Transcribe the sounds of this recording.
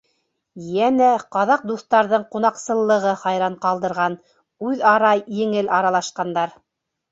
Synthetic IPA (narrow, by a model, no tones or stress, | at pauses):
jænæqɑðɑq̚d̪uθt̪ɑɾðɤɴqun̪ɑqsɤ̆lˠːɤ̆ʁɤχɑjɾɑɴqɑlˠd̪ɤ̆ɾʁɑn | ʉðɑɾɑjɘ̆ŋɘlɑɾɑlˠɑʃqɑnd̪ɑɾ